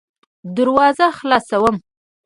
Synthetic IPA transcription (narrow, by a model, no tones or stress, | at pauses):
d̪əɾwɑzaxlɑsawəm